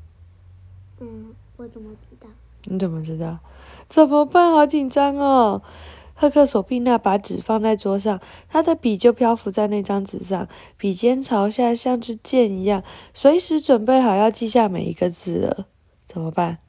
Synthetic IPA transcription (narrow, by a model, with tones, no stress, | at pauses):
t͡sə˩m˧˥t̪ɑ˥˩ | ni˧˥t͡sə˨˩mə˦ʈ͡ʂɻ̩˧˥t̪ɑ˥˩ʊt͡sə˨˩nmə˦pa˥˩nxɑ˧˥ʊt͡ɕi˨˩ŋʈ͡ʂɑ˥ŋə˨˩xɤ˥˧kʰɤ˥˩so˨˩pi˥˧ŋna˥˩pa˧˥ʈ͡ʂɻ̩˨˩fɑ˥˧ŋt͡sa˥˧ɪt͡swɔ˥ʂ̬ɑ˥˩ŋt̪ʰa˥d̪ə˨pi˨˩t͡ɕjo˥˧ʊpʰjɑ˥ʊfu˧˥t͡sa˥˧ɪne˥˩ɪʈ͡ʂɑ˥ŋt͡sɹ̩˨˩ʂɑ̰˥˩ŋ | pi˨˩t͡ɕjɛ˥nʈ͡ʂʰɑ˧˥ʊɕja˥˧ɕjɑ˥˧ŋʈ͡ʂɻ̩˥˧t͡ɕjɛ˥˧ni˧˥jɑ˥˩ŋswe˧˥ɪi˧ʂɻ̩˧˥ʈ͡ʂwə˨˩npe˥˩ɪxɑ˨˩ʊjɑ˥˧ʊt͡ɕi˥˧ɕja˥˩mḛ˨˩ɪḭ˧˥ɡə˧t͡sɹ̩˥˩d̪ə̰˩ | t͡sə˨˩nmə˦pa˥˩n